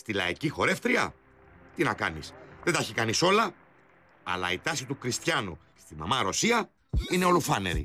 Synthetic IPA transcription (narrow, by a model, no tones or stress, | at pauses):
st̪ilɐ̰icixo̞ɾe̞ft̪ɾiɐ̰ | t̪inɐkɐnisðet̪ɐçikɐniso̞lɐ | ɐ̰lɐ̰it̪ɐsit̪ukɾist̪çɐnu | st̪imɐ̰mɐɾo̞siɐ | ine̞o̞lufɐnḛɾḭ